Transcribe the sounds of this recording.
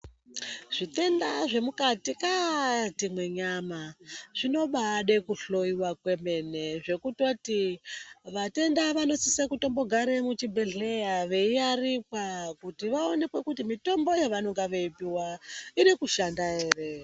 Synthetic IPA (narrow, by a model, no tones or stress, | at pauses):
ʐ̥ite̞ndaʐe̞mukatikatimwe̞ɲamaʐ̥ino̞ɓaɗe̞kuɬo̞iwakwe̞me̞ne̞ʐe̞kuto̞ti | ʋate̞ndaʋano̞sisakuto̞mbo̞ɡʱaɾemut͡ʃibe̞ɮejaʋe̞iarikwakutiʋao̞ne̞kwe̞kutimito̞mbo̞jaʋanoŋɡaʋeipiwainikuʃandaeːre̞